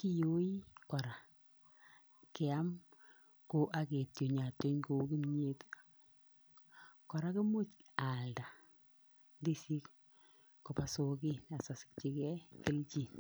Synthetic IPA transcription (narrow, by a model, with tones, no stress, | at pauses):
ki˦jo˦i˦kɔ˨ɾa˨ | kɛ˨a˦m | ko˦ʔa˨ke˨tjo˨ɲa˨to˦ɲko˨kɪ˦mɲe˦t | kɔ˨ɾa˦ke˦mo˦t͡ʃa˨lda˨ | ndi˦si˦k | ko˨pa˨so˨ki˦na˨sa˨skt͡ʃi˧kɛ˦kɪ˦lt͡ʃi˨n